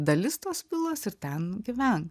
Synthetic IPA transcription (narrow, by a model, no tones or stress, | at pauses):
d̪ɐlʲɪst̪oːspʲɪlˠoːsɪɾt̪ʲɛnɡʲɪʋʲɛn